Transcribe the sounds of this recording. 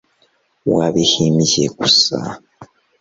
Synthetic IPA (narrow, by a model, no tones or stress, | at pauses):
waβihimizekusa̰